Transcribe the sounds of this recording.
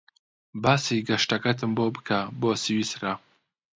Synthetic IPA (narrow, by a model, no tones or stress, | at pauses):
baːsiːɡɐʃtɐkɐt̪̬ʰɨmboːbɨkʰaboːsɨwiːsɾa